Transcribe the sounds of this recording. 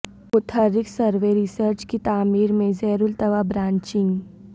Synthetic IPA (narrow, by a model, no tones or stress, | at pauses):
ʊt̪ʰəɾːɪksəɾʋeɾisəɾt͡ʃkit̪aːmiːɾmẽzɛːɾʊlt̪ɐʋabɾãːɲt͡ʃɪ̃ŋɡ